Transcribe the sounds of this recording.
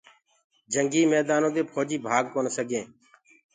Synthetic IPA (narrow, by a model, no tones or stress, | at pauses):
d͡ʒəŋɡiːmɛːd̪aːnõːd̪eːpʰoːd͡ʒiːbʱaːɡ̚koːnːsəɡẽː